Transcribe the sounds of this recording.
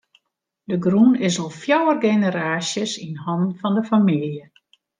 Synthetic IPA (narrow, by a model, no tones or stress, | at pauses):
dəɡrunɪsɔlˠfjɔwərɡenəɾaːsjəsinhɔnn̩fɔndəfamiljə